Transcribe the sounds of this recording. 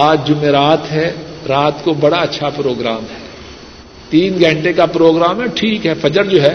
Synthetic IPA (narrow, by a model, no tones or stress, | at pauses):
aːd͡ʒd͡ʒʊmeːɾaːt̪ɦɛɾaːt̪kobɐɽaɐtːʃʰapɾoːɡɾaːmɦɛː | t̪iːnɡʱɐ̃ɳʈekapɾoːɡɾaːmɦɛʈʰiːkɦɛfɐd͡ʒəɾd͡ʒoːɦɛː